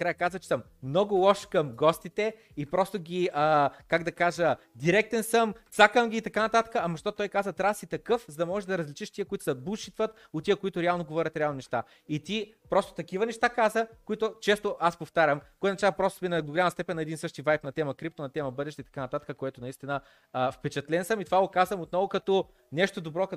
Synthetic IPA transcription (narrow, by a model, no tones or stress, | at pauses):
kɾajəkazvət͡ʃɛ̥səmnɔɡʊlˠɔʃkɐmɡɔst̪it̪ɛ | ipɾɔst̪oɡʲiəkaɡd̪ɐkaʒəd̪iɾɛk̚t̪ɛnsəmt̪sakəmɡʲiːt̪ɐkanɐt̪at̪ə̥kəɐmɐʃt̪ɔtt̪ɔjkazət̪ɾasit̪ɐkɤfzɐd̪ɐmɔʒɛʒd̪ɐɾɐzlʲit͡ʃiʃt̪iəkoit̪ʊ̥sɐbuʃit̪vət̪ | ot̪t̪iəkoit̪ʊɾɛalˠnoɡovɔɾʲɐt̪ɾʲɛalˠnonɛʃt̪a | it̪i | pɾɔst̪o̥t̪ɐk̟ivənɛʃt̪akazəkoit̪ʊt͡ʃɛst̪oʔaspoft̪aɾʲəmkɔjnɐt͡ʃavɐpɾɔst̪minɐɡ̪oɡolʲaməst̪ɛpɛnːɐɛd̪insɤʃt̪ivajpnɐt̪ɛməkɾip̚t̪onɐt̪ɛməbɤd̪ɛʃt̪ɛit̪ɐ̥kanɐt̪at̪ə̥kəkoɛt̪ʊnɐist̪inə | fpɛt͡ʃɐt̪lɛnsəmit̪ovaɡokazvəmot̪nɔvokɐt̪ɔ | nɛʃt̪od̪obɾɔk